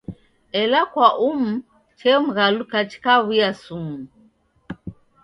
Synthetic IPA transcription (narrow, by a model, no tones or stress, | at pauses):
ɛlakwaʔum̩ | t͡ʃɛm̩ɣalukat͡ʃi̥kaβujasumu